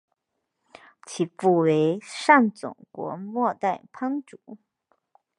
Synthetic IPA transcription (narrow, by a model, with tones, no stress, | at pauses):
t͡ɕʰi˨˩pu˥˩we˧˥ɪʂa˥˩ŋt͡sʊ̰˨˩ŋkwɔ̰˧˥mwɔ˥˧t̪a˥˩ɪpʰa˥ŋʈ͡ʂu˨˩˦